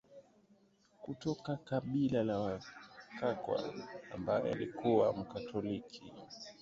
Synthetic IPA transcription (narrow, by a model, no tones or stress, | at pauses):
kutɔkakaɓilalawakakwa̰ambajɔ̰a̰likʰuwa̰m̩katʰɔlikʰi